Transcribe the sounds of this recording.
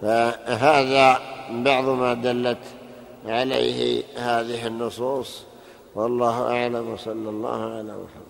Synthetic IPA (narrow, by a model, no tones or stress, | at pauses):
faɦaːðabɑʕðˤmad̪alːat̪ | ʕalḛjhɪ̰haːðɪɦɪnːʊsˤuːsˤ | wɑlˤːɑːhʊʔaʕlamwɑsˤɑlːɑlˤːɑ̰ːhʕala̰mʊ̰samː